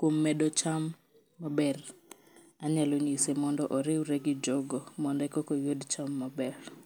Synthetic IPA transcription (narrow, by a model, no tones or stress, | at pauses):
kwomːɛdɔt͡ʃamː | abɛr | aɲaloɲisemɔndɔʔɔɾɪwɾɛɡɪd͡ʒɔɡɔmɔndɛkɔkɔjodt͡ʃamːabɛr